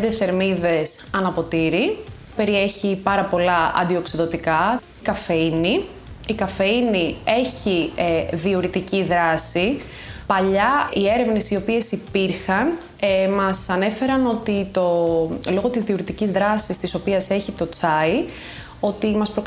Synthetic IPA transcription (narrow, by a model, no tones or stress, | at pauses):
d̪eθe̞ɾmiðe̞sɐnɐpo̞t̪iɾi | pe̞ɾie̞çipɐɾɐpo̞lɐɐ̰nd̪io̞ksiðo̞t̪ikɐ | kɐfeiniː | kɐfeinie̞çiðioɾit̪iciðɾɐsi | pɐʎɐie̞ɾe̞vne̞sio̞pie̞sipiɾxɐn | mɐsɐne̞fe̞ɾɐno̞t̪it̪o̞lo̞ɣo̞t̪izðioɾit̪icizðɾɐsist̪iso̞piɐse̞çit̪o̞t͡sɐi | o̞t̪imɐspɾok